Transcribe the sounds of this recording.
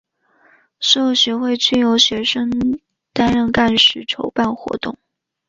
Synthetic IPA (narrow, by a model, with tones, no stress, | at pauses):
ʂo˥˩˧ʊɕɥɛ˧˥xwe˥˧ɪt͡ɕy˥˩jo˧˥ʊɕɥɛ˧˥ʂɤ˥ŋ | t̪a˥nɻə˥˧nka˥˩nʂɻ̩˨˥˩ʈ͡ʂʰo˧˥ʊpa˥˩nxwɔ̰˧˥t̪ʊ˥˩ŋ